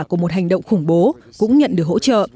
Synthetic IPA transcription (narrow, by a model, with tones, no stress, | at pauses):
kəmo˨˩t̚ha˨˩jŋ̟ɗə̰˧˨wŋ͡mxʊ˧˩ŋ͡mɓo˨˦kʊ̰˧˥ŋ͡mɲə̰˧˨nɗɨ˨˩ək̚ho̰˧˥t͡ɕə̰ː˧˨